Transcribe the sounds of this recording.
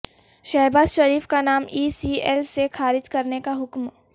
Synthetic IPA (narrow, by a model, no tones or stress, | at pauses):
ʃaːbaːzʃɐɾiːfkanaːmiːsiːɛːlsexaːɾɪd͡ʒkɐɾnekaɦʊkm